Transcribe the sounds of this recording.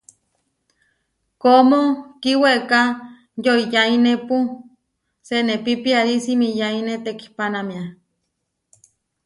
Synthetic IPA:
komokiweka | joijainepu | senepipiaɾisimijainet̪eki̥hpanamia

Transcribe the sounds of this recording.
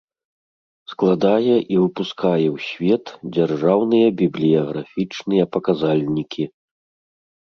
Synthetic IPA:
sklˠad̪ajɛʔivɨpuskajɛwsʲvʲɛt̪d͡zʲarʐawnɨjɐbʲiblʲijɐɣɾafʲit͡ʂnɨjɐpɐkazalʲnʲikʲʰi

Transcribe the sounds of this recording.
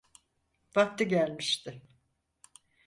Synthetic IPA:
vak̚t̪ʰɯɟælʲmiʃt̪ʰɪ

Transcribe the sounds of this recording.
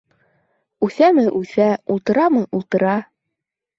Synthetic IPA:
ʉθæmɘʔʉθæulˠt̪ɤ̆ɾɑmɤʔulˠt̪ɤ̆ɾɑ

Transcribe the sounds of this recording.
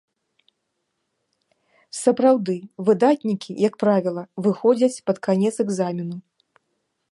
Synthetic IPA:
sɐpɾawd̪ɨvɨd̪at̪ʲnʲikʲijɐkpɾavʲilˠɐvɨxɔd͡zʲɐt͡sʲpɐt̪kanʲɛt̪sɛɡzamʲinu

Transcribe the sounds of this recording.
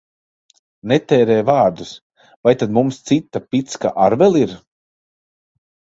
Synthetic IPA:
nɛt̪ɛːɾɛːjvaːɾd̪us | vajt̪ad̪mumst̪sit̪ːapʲit̪ska̰ʔaɾvɛlˠiɾ

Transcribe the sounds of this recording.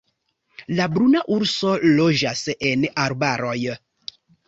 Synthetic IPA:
labɾunaʔuɾsolod͡ʒasenaɾbaɾoj

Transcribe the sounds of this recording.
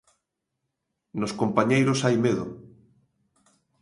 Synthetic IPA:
noskompaɲejɾosajmeðʊ

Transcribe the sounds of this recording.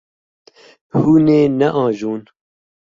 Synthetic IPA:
huːneːnɛʔɑːʒuːn

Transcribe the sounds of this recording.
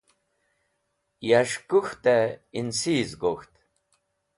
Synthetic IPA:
jaʃkuxt̪ɛinsiːzɡoxt̪

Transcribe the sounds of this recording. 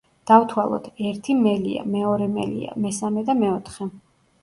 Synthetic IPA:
d̪̥avt̪ʰwalˠɔ̰t̪ʰɛɾt̪ʰimɛlḭa̰mɛɔɾɛmɛ̰lḭa̰mɛsamɛd̪amɛɔt̪ʰχɛ

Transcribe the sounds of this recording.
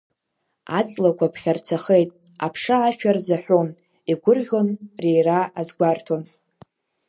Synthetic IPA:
a̰t͡sʼlakʷʰapʰχʲart͡sʰaχejtʼ | apʰʂaːʃᶣarzaħʷᶣon | iɡʷʊrʁʲo̞nrejraazɡʷartʰon

